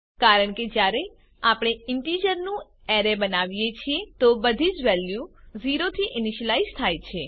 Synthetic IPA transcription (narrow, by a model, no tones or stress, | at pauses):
kaɾəɳked͡ʒjaɾe | apɳ̃eɪɳʈid͡ʒəɾnũ | ɛɾebənaʋijet͡ʃʰiet̪obəd̪ʱid͡ʒʋɛljuziɾot̪ʰiʔɪnɪʃəlaizt̪ʰajt͡ʃʰe